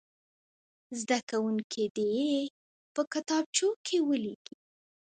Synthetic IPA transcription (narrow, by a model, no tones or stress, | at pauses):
zd̪akawuŋkʰed̪e | pəkat̪ɑb̚t͡ʃokʰewəleɡ̥i